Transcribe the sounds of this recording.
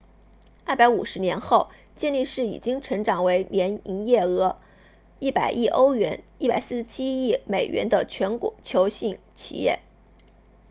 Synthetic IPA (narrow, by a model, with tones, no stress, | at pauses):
a˥˩pa˧˥ɪu˨˩ʂɻ̩˧˥njɛ˧˥nxo˥˩ʊ | t͡ɕjɛ˥˧nli˥˧ʂɻ̩˥˩ḭ˨˩t͡ɕi˥ŋʈ͡ʂʰɤ˧˥ŋʈ͡ʂɑ˨˩ŋwe˧˥ɪnjɛ˧˥ni˧˥ŋjɛ˥˩ɤ˧˥ | i˥˩pa˨˩ɪʔi˥˩ʔo˥ʊɥɛ˧˥ni˥˩pa˨˩ɪsɹ̩˥˩ʂ̩˥˧t͡ɕʰi˥i˥˩me˨˩ɪɥʔɛ̰˧˥nd̪ə˧t͡ɕʰɥɛ˧˥nkɔ̰˨˩˦t͡ɕʰjo˧˥ʊɕi˥˩ŋ | t͡ɕʰḭ˨˩jɛ̰˥˩